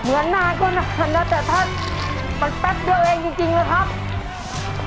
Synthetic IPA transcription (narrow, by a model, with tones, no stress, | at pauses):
mɯ˩˦ənːaː˧˩˨kɔː˧˩na˧˩ma˧˩nlaː˧˥˩t̪ɛː˨˩t̪ʰa˦˧˥ma˧˥npe˦˥t̪̚dɯ˧˩əwʔeː˧ŋt͡ɕi˧ŋt͡ɕi˧ŋmaː˧˩t̪ʰa˦˥˩p̪̚